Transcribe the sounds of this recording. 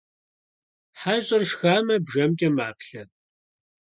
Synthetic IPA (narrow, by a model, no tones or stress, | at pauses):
ħaːɕʼɐrʃxaːmɐbʒɐmt͡ʃʼɐmaːpɬɐ